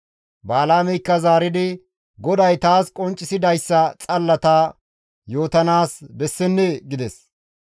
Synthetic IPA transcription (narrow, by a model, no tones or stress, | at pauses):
baːlaːmɛjkːɐzaːɾɪd̪ɪ | ɡɔd̪ɐjt̪aːskʼɔnt͡ʃʼːɪsɪd̪ɐjsːɐt͡sʼɐlːɐt̪aː | jo̞ːt̪ɐnaːsbɛsːɛnːɛɡɪd̪ɛs